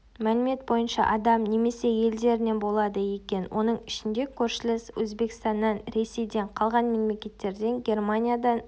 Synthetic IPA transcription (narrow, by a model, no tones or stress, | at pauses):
mælɪme̞t̪̚bo̞jənʃɑ̰ʔɑd̪ɑmne̞me̞se̞je̞ld̪e̞ɾɪne̞bo̞lˠɑd̪əjekʲe̞nwʔo̞nəɴɪʃɪnd̪e̞kʲʰɵɾʃɪlɪswɵzbe̞kʲɪst̪ɑnːɑnɾe̞se̞jd̪e̞ɴqʰɑlˠʁɑnme̞mlʲe̞kʲe̞t̪ːe̞ɾd̪e̞ŋɡʲe̞rmanʲijad̪ɑn